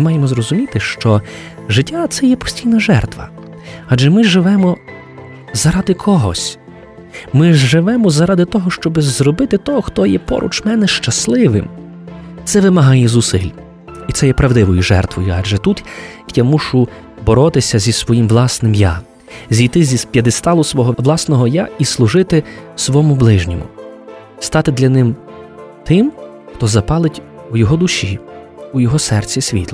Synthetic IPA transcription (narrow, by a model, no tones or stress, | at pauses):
mɑjemɔzɾɔzʊmʲit̪ɪʃt͡ʃɔ | ʒɪtʲːat̪sɛjɛpɔ̥sʲtʲijnɐʒɛ̰rt̪ʋɐ̰ | ɑdʒɛmɪʒɪʋɛmɔ | zɐɾɑd̪ɪkʰɔɦɔ̰sʲ | mɪʒɪʋɛmɔzɐɾɑd̪ɪt̪ɔɦɔʃt͡ʃɔbɪzrɔbɪt̪ɪt̪ɔɦɔxt̪ɔjɛpɔ̰ɾʔṵt͡ʃmɛnɛʃt͡ʃɐslˠɪʋɪ̰m | t̪sɛʋɪmɐɦɑjɛzusɪlʲ | it̪sɛjɛpɾɐʋwd̪ɪʋɔjʊʒɛ̰rt̪ʋɔjʊɑʒɛt̪ut̪jamuʃʊ | bɔɾɔt̪ɪsʲɐzʲisʋɔjimʋlˠɑsnɪmja | zʲijt̪ɪzʲispʲjɐd̪ɪst̪ɑlˠʊsʋɔɦɔʋlˠɑsnɔɦɔjaislˠʊʒɪt̪ɪsʋɔmʊblˠɪʒnʲɔ̰mʊ̰ | st̪ɑt̪ɪd̪lʲɐnɪm | t̪ɪm | xt̪ɔzɐpɑlˠɪtʲ | ujɔɦɔd̪ʊʃʲiujɔɦɔsɛrt͡sʲisʲʋʲḭt̪lˠɔ